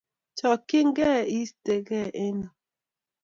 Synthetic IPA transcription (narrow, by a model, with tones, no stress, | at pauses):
t͡ʃɔ˨kɪ˦ŋɡɛ˦i˦ste˨ɡɛ˦ʔɪ˦nɔ˨